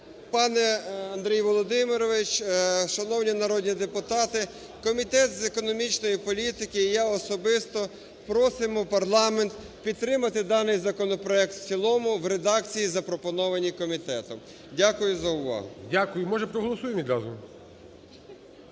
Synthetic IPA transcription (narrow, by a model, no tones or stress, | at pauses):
pɑnɛɐnd̪ɾʲijʋɔlˠɔd̪ɪmɪɾɔʋɪt͡ʃʃɐnɔwnʲinɐɾɔdʲnʲid̪epʊt̪ɑt̪ɪ | kɔmʲit̪ɛt̪zekɔnɔmʲit͡ʃnɔjipɔlʲit̪ɪkɪːjɑɔsɔbɪst̪ɔ | pɾɔsɪmɔpɐrlˠɑment̪ | pʲid̪̚t̪ːɾɪmɐt̪ɪd̪ɑnɪjzɐkɔnɔpɾɔɛk̚t̪t͡sʲilˠɔmʊwɾed̪ɑk̚t͡sʲijizɐpɾɔpɔnɔʋɐnʲikɔmʲit̪ɛt̪ɔ̰m | dʲakʊjʊzɐʊʋɑ̰ɦʊ̰dʲakʊjʊmɔʒɛpɾɔɦɔlˠɔsujemʲid̪ɾɑzʊ